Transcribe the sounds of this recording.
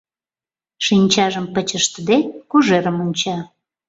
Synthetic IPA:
ʃinʲt͡ɕɑʒəmpət͡ɕəʃt̪əd̪ekuʒeɾəmunʲt͡ɕɑ

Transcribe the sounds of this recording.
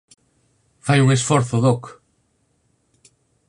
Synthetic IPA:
fajuŋesfoɾθoðok

